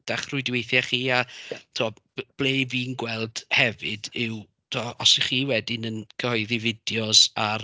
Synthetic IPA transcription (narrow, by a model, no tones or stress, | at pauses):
d̥aχrʊɨdwejθjaχiːatʰoɔb̥lˠeːviːnɡwɛlˠd̥hɛvɨ̰dɪw | tʰɔːɔsiχiːwɛdɪnənkʰəhɔɨðivɪd̥jɔsar